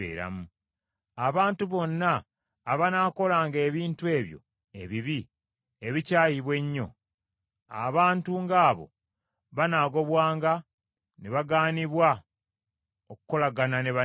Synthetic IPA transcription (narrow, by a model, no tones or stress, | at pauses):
ḛːɾa̰mu | aβaːntuβo̞nːaː | βanako̞laːŋɡe̞ːβiːntue̞ːβjo̞̰ | e̞βiβi | e̞βicaːjiβwe̞ɲːo̞̰ | a̰βaːntuŋɡaːβo̞̰ | βanaːɡo̞βwaːŋɡa | neβaɡaːniβwa | okuko̞laɡananeβa